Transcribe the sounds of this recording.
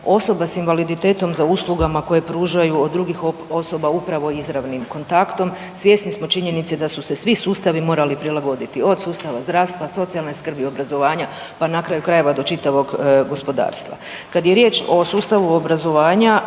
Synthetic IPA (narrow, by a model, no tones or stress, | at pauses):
o̞so̞basinʋalid̪it̪e̞ːt̪o̞mzauslˠuɡamako̞je̞pɾuːʒajuod̪ːɾuɡixoo̞so̞baupɾaʋo̞izɾaʋnimko̞nt̪akt̪o̞m | sʋje̞ːsnismo̞t͡ʃiɲe̞nit̪sed̪asusesʋisuːst̪aʋimo̞ːɾalipɾilaɡo̞d̪it̪io̞d̪suːst̪aʋazd̪ɾaːʋst̪ʋaso̞t̪sialˠneskr̩bio̞bɾazo̞ʋaːɲa | panakɾaːjukɾaje̞ʋad̪o̞t͡ʃit̪aʋo̞ɡɡo̞spo̞d̪a̰ːɾst̪ʋa̰ | kad̪jeɾjet͡ʃo̞suːst̪aʋuobɾazo̞ʋaːɲa